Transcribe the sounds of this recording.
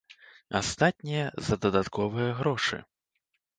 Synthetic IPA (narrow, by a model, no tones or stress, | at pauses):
a̰st̪at̪̚ʲnʲijɐzɐd̪ɐd̪at̪kʰɔvɨjɐɣɾɔʂɨ̰